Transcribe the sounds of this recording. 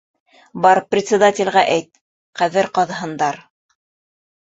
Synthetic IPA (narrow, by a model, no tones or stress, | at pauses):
bɑɾprʲɪt̪sʲɪd̪atʲɪ̆lʲʁæʔæjt̪̚ | qæðɘɾqɑðɦɤ̆nd̪ɑɾ